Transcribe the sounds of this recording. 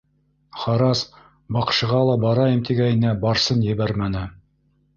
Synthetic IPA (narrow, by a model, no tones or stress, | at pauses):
χɑɾɑs | bɑqʃɤ̆ʁɑlˠɑbɑɾɑjɤ̆mt̪iɡæjɘ̆næbɑɾsɤnjɘ̆βæɾmænɘ